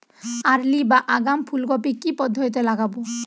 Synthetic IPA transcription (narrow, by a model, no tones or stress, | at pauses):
aɾlibaʔaɡampʰulɡɔpikipɔd̪ʱːɔt̪it̪elaɡabo